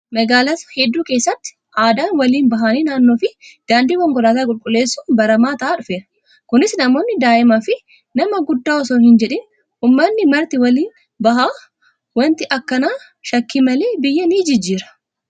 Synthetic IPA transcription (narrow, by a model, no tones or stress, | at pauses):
mɐɡaːlɐt̪ɐ̥hɛd̪ːuːke̞ːsːɐt̪ːɪ̥ | ʔaːd̪aːnwɐliːnbɐɦaːniːnaːnːo̞ːfɪd̪̥aːnd̪iːkɔŋɡɔlaːt̪aːkʼʊlkʼʊlːe̞ːsːʊnbɐɾɐmaːt̪ɐʔaːᶑʊfeːɾɐ̥ | kʊnɪsnɐmo̞ːnːɪd̪aːʔɪmɐfɪ | nɐmɐɡʊd̪ːaːɔsoːnhɪnd͡ʒɛᶑɪn | hʊmːɐnːɪmɐɾt̪ɪwɐliːn | bɐɦaː | wɐnt̪ɪʔɐkːɐnaː | ʃɐkːimɐleːbɪjːɐniːd͡ʒɪd͡ʒːiːɾɐ̥